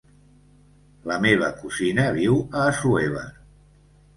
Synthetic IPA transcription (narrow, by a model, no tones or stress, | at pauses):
ləmeβ̞əkuzinəβiwəːsueβə̰